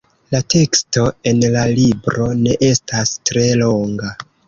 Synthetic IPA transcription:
late̞ksto̞e̞nlalibɾo̞ne̞ʔe̞stastɾe̞lo̞ŋɡa

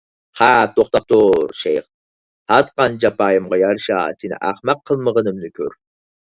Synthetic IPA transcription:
χat̪oχt̪ɑp̚t̪ʰoɾʃejq | hɑt̪qɑnd͡ʒapɑjəmʁɑjaɾʃa̰sinɨ̰ʔaχmɑqʰːəlˠməʁənɨmnɨkʲʰøɾ

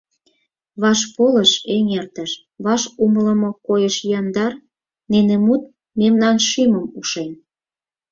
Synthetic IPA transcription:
βɑʃpolə̆ʃeŋert̪əʃ | βɑʃumələ̆mokojəʃjɑnd̪ɑr | nenemut̪̚ | memnɑnʃyməmuʃen

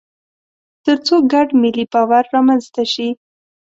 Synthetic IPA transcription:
t̪əɾt͡soɡaɖmɪlibɑwaɾːɑmanzt̪aʃi

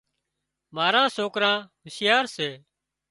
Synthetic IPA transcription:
maːɾãːsoːkɾãːɦəsjaːɾseː

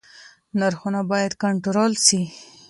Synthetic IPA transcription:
naɾxunabɑjad̪kaɳʈʊɾolʃi

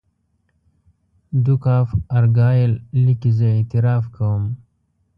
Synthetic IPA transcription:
d̪ukɑːfaɾɡɑːjellikizəet̪ɪɾɑːfkawəm

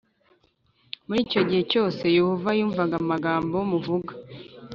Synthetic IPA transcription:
muɾiːco̞ɟihe̞co̞ːse̞juhuvajuːɱvaɡamaɡaːmbojomuvuɡḁ

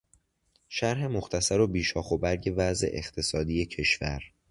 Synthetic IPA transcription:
ʃæɾɦe̞moxt̪ʰæsæɾo̞biːʃɒːxobæɾɟe̞væze̞̰ʔḛxt̪ʰe̞sɒːd̪ije̞cʰe̞ʃvæ̰ɾ

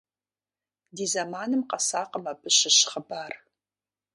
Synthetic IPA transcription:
diːzamaːnɨmqɐsaːqəmapʰʼɨʃɨʃχəbaːr

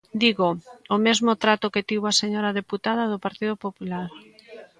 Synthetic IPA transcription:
d̪iɣoomezmot̪ɾat̪oket̪iβoaseɲoɾaðeput̪að̞aðopaɾt̪iðopopulaɾ

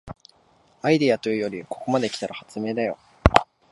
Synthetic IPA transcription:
aid̪iat̪o̞jɯ̟jo̞ɾʲiko̞̥ko̞mad̪e̞kʲi̥t̪aɾahat͡sɨme̞ːd̪ajo̞

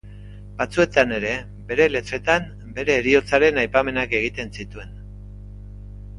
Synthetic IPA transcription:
bat͡sue̞t̪ane̞ɾe̞ | be̞ɾe̞le̞t͡se̞t̪am | be̞ɾe̞ːɾio̞t͡saɾe̞najpame̞nake̞ɣ̞it̪e̞nsit̪ue̞n

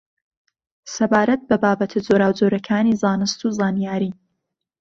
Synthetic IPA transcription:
sɐbaːɾɐt̪̚bɐbaːbɐt̪ʰɨd͡zoɾaːwd͡zoːɾɐkʰaːnizaːnɨst̪uːzaːnijaːɾiː

